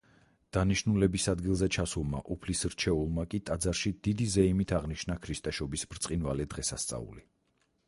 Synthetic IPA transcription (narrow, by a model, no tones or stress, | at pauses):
d̪̥aniʃnulɛbisad̪ɡilˠzɛt͡ʃʰasulˠma̰ʔupʰlisɾt͡ʃʰɛulˠmakʼit̪ʼad̪zaɾʃid̪̥id̪izɛimit̪ʰaʁniʃnakʰɾist̪ʼɛʃɔbisbɾt̪sʼqʼinvalɛd̪ʁɛsast̪sʼa̰ṵli